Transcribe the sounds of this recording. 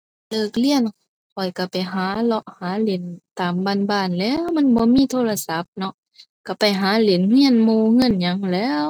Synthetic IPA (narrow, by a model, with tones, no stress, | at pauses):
lɤː˧˩k̚li˧˨ən | kʰɔ˨˩jka˧˩pa˨˩jɦaː˨˦lɔ˧ʔhaː˨˦le˨˩˦nt̪aː˨˩mbaː˧˥˨nbaː˧˩˨nlɛː˧˥˨wma˧˥˨nbɔː˧˦miː˧˥˨t̪ʰoː˧˥˨la˧sa˧˦p̚nɔ˧ʔ | ka˧˩pa˨˩jɦaː˨˦le˨˩nhi˧˥˨ənmuː˧ŋɤ˧˥˨nɲa˧˦ŋlɛː˦˧˥w